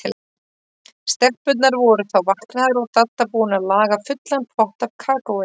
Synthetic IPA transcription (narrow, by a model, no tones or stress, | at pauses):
st̪ɛr̥pʏt̪̬̚naɾvɔɾʏθawvahknaðʏɾɔɣt̪at̪ːapuːnalaːɣafʏt̪lanpʰvɔht̪avkʰaːkowɪ